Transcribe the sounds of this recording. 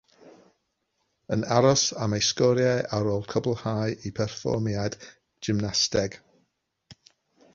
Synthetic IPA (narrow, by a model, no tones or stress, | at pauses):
ənaɾɔsamejskɔɾjɛʔaɾoːlˠkʰəblˠhajʔipʰɛrfɔ̰mjad | d͡ʒɪmnastɛɡ̥